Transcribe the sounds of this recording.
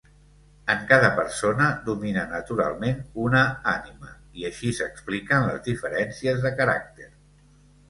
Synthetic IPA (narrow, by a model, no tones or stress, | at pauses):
əŋkaðəpəɾsonəðuminənət̪uɾa̰lˠmenunəanimə | iəʃisəksplikənlə̰zðifəɾɛnsiəzðəkəɾa̰k̚t̪er